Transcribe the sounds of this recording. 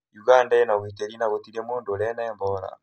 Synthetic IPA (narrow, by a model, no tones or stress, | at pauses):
juɡandanawitɛlinaɣotiliɛmondolɛnaɛmbɔla̰